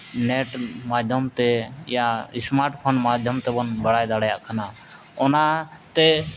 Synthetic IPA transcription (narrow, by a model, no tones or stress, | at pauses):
nɛʈmad̪ʱɔmt̪ɛ̰jaismaɾʈpʰonmad̪ʱjɔmt̪ɛbɔnbəɽajd̪aɽajaʔkʰana | ɔnat̪ɛ